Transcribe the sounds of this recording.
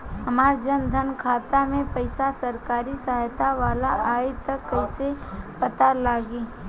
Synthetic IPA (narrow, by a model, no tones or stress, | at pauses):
hɐmaːɾd͡ʒənd̪ʱənkʰaːt̪amẽpɐɪsasɐɾkaːɾisəɦjt̪aʋaːlaʔaːit̪ɐkːɐɪsepət̪aɾlaːɡiː